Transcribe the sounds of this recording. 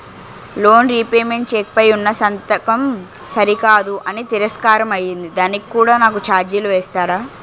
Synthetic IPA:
lo̞ːnɾiːpeːmeɳʈt͡ʃeːk̚pɐjunːɐsɐnt̪ɐkɐmsɐɾikaːd̪uʔɐnit̪iɾɐskaːɾɐmɐjːind̪id̪aːnikikːuːɽaːnaːkut͡ʃaːɾd͡ʒjɐluʋɛːst̪aːɾaː

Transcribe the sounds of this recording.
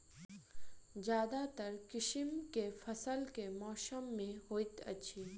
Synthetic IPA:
d͡ʒjaːd̪at̪əɾkɪʃɪmkefʰəsəlkemɔːʃəmːẽhoːjt̪ə̰t͡ʃʰi

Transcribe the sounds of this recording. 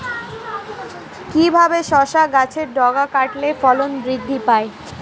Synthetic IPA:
kibʱabeʃɔʃaɡat͡ɕʰeɾɖʱɔɡakaʈlefɔlonbɾid̪ʱːipae

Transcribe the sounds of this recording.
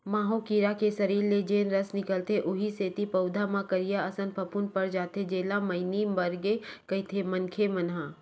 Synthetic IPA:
maːɦokiɾakesɐɾiːɾːed͡ʒeːnɾəsnɪkəlt̪eʔʊɦiseːt̪ipɐʊd̪ʱamãkəɾijaɐsə̃npʰɐpʊnpɐɾd͡ʒaːt̪ʰed͡ʒeːlamɐɪnimbɐɾɡekɐɪt̪ʰemɐnkʰemɐnɦãː

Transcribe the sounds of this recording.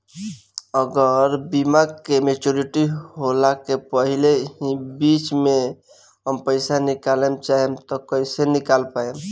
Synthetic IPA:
əɡəɾbimaɡkemet͡ʃoɾiʈiɦolakepəɦileɦĩbit͡ʃme | ɦəmpəɪsanikalemt͡ʃaɦemt̪ɔkəɪsenikalpaem

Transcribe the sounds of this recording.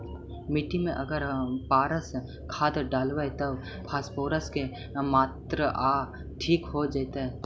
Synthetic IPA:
mɪʈimẽʔɐɡəɾpaːɾəs | kʰaːd̪ɖaːlʋaet̪ɐb | pʰaːspoːɾəske | maːt̪ɾəʔaː | ʈʰiːkɦod͡ʒat̪aɦɛ

